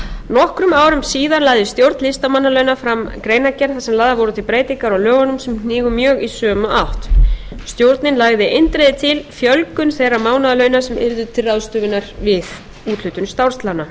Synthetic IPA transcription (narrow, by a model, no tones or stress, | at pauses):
nɔhkɾʏmaːwɾʏmsiːðanlaːɣðɪst̪jowɾt̪nlɪst̪amanːalœɥnafɾamkɾeːjnacɛnθasɛmlaːðavɔwɾʏt̪ʰɪlpɾeːjt̪ɪŋkaɾawlœːɣanʏmsɛmkniːɣʏmjœːɣisœːmʏʔawht̪ | st̪jowɾt̪nɪnlaɣðɪʔent̪ɾejðɪt̪ʰɪlfjœlkʏnθejrːamaːwnaðalœːɥnasɛmɪ̰ɾðʏt̪ʰɪrːaðst̪ʏːvɪnaɾvɪð | uːt̪lʏt̪ʏnst̪awɾrst̪lana